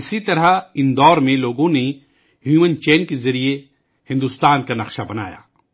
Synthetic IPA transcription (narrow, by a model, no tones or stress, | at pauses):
ɪsit̪ɐɾaɪnd̪ɔːɾmẽloːɡõne | ɦjuːmənt͡ʃɛːnkezɐɾie | hɪ̃nd̪ʊst̪aːnkanɐxʃabɐna̰ːja̰ː